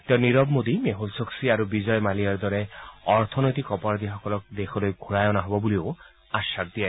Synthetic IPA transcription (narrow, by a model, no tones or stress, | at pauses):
t̪eniɾɔbmod̪imeɦolsoksiaɾubid͡ʒɔjmaliaɾd̪ɔɾeɔɾt̪ʰɔnɔjt̪ikɔpaɾd̪iɦɔkɔlɔk̚d̪ekʰɔlojɡʱuɹajɔnaɦɔbɔbulio | aʃak̚d̪ia